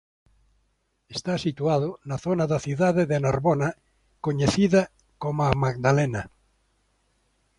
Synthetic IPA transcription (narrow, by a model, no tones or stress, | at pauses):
est̪asit̪uaðonaθonaðaθjuðaðeðenaɾβona | koɲeθiða | komamaɡd̪alena